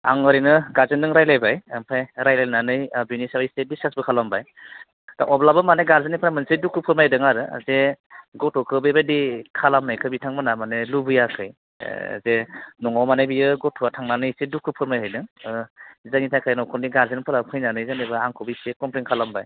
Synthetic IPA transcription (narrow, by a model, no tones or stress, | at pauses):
a̰ŋɔɾinɯɡaɾzɯndɯŋɾajlajbajampʰajɾajlajnanɯjbinisawajsebisasbɯkʰalambaj | d̥a̰ʔɔblabɯmaneɡaɾzanipʰɯɾamɯnsedukːɯpʰɯɾmajdɯŋaɾɯ̰zeɡɔtʰɔkʰɯbebadikʰalamnajkʰɯbitʰaŋmɯnamanelubɯjakʰɯj̰ | zenɔŋawmanajbijɯɡɔtʰɔatʰaŋnanɯjsedukʰːɯpʰɯɾmajɦajdɯŋ | zanitʰajkʰajnɔkʰɔndiɡaɾzenpʰɯɾapʰɯjnanɯjzanejbɯaŋkʰɔbisekɔmplinkʰalambaj